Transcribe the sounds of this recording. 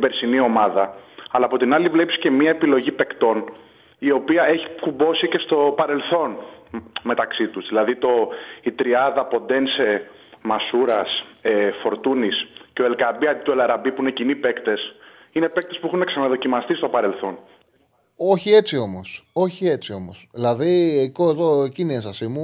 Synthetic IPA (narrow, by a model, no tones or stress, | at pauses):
beɾsinio̞mɐðɐɐlɐːpo̞t̪inɐlivle̞pisce̞miɐepilo̞ʝipe̞kt̪o̞n | io̞piɐe̞çi̥kubo̞sice̞st̪o̞pɐɾe̞lθo̞n | me̞t̪ɐksit̪uzðilɐðit̪o̞it̪ɾiɐðɐpo̞nd̪e̞nse | mɐsuɾɐsefo̞ɾt̪unisceoelkɐbiɐd̪it̪uelɐɾɐbipuinecinipe̞kt̪e̞s | ine̞pek̚t̪espuexuneksɐnɐðo̞cimɐst̪ist̪o̞pɐɾe̞lθo̞n | o̞çie̞t͡sio̞mo̞so̞çie̞t͡sio̞mo̞sðilɐðiekoeðoeciniesɐsimu